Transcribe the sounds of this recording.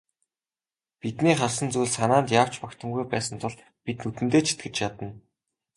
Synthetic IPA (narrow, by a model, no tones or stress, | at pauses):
pit̪niːχarsə̆nt͡sujɮsanaːnt̪jaːw̥t͡ɕpakt̪ə̆mɡujpæːsə̆nt̪ʰʊɮ | pit̪nut̪ɘ̆nt̪eːt͡ɕʰi̥t̪ɡɘ̆t͡ɕjat̪ə̆n